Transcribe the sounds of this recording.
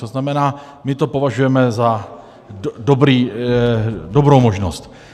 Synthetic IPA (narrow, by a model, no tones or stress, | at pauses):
t̪oznamɛnaː | mɪt̪o̞po̞vaʒujɛmɛza | dobɾiː | dobɾowmo̞ʒnost̪